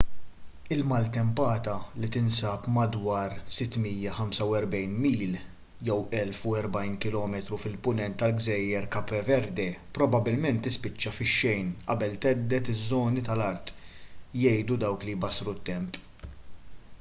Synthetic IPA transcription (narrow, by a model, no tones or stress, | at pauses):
ɪlmɐlt̪ɛmpɐːt̪ɐlit̪ɪnsɐːpmɐd̪wɐːɾsɪt̪ːmijːɐħɐmsɐwɛɾbɛjnmiːl | jɛwʔɛlfʊɛɾbɐjnkɪlɔːmɛt̪ɾufɪlpʊnɛnt̪ːɐlɡzɛjːɛɾkɐpːɛvɛɾd̪ɛpɾɔbɐbɪlmɛnt̪ːɪspɪt͡ʃːɐfɪʃːɛjnʔɐ̰bɛlt̪ɛd̪ːɛt̪ɪzːɔːnit̪ɐlɐɾt̪jɛjd̪ud̪ɐwklijbɐsɾut̪ːɛmp